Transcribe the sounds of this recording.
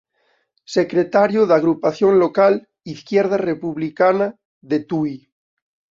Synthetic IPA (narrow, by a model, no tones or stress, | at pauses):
sekɾet̪aɾjoðaɣɾupaθjonlokal | iθkjeɾð̞arepuβlikana | ðet̪uj